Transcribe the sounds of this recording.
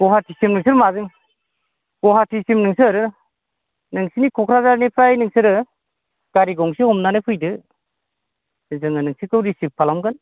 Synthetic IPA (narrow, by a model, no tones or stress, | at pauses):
ɡ̥ɔɦatʰisimnɯŋsɯɾmazɯŋ | ɡ̥ɔɦatʰisimnɯŋsɯɾɯ | nɯŋsinikʰɔkʰɾazaɾnipʰɾajnɯŋsɯɾɯ | ɡ̥aɾiɡɔŋsihɔmnanɯjpʰɯjdɯ | zɯŋɯnɯŋsikɯwɾisip̚pʰːalamkɯn